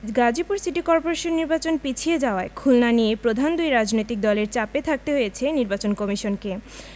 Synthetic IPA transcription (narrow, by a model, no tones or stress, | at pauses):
ɡad͡ʑipuɾsiʈikɔɾpoɾeʃonːiɾbat͡ɕonpit͡ɕʰied͡ʑaoaekʰulnanijepɾod̪ʱand̪ujɾad͡ʑnojt̪ik̚d̪ɔleɾt͡ɕapet̪ʰak̚t̪eɦojet͡ɕʰeniɾbat͡ɕonkɔmiʃonke